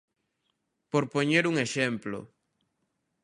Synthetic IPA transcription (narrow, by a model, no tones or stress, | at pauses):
poɾpoɲeɾuŋeʃemplo̰